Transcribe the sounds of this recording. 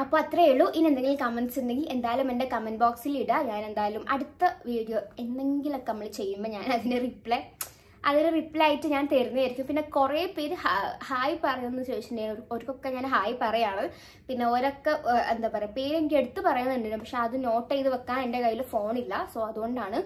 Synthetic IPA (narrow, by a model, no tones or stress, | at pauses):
ɐpːoːɐt̪ːrɐeɭːuʔinend̪eŋɡilkɐmeɳɖsend̪eŋɡile̞nd̪aːjɐlumende̞kɐmɐnbaːksiliɽɨɲaːne̞nd̪aːjlumʔɐɽut̪ːɐʋiːɖijoe̞nːe̞ŋɡilokːeɐmːɐɭit͡ɕe̞jːumbɐɲaːnɐðineripːɭe | ɐðinɨripːɭejaːjiʈːɨɲaːnt̪eːɾunːɐajiɾikʲːumpinːe̞kureːpeːɾhahaːjipɐrɐjunːenːɕeːiindejɳoɾukːokːeɲaːnɦaːjpɐrɐjaːɳɐɨ | pinːe̞o̞ɾokːeend̪aːpɐɾepeːɾeŋɡile̞ɽut̪ːɨpɐrɐjɐnɐnːiɳɖinːupɐkʂe̞ɐðɨno̞ːʈːejðɨʋɐkːaːnende̞kɐjːilufo̞ːɳilːɐsoːɐðuɣo̞ɳɖaːɳɨ